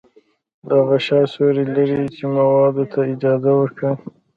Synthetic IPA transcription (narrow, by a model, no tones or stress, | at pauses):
d̪aɣaʃɑsoɾilaɾit͡ʃemawɑd̪ot̪ʰaɪd͡ʒɑzawəɾkɽə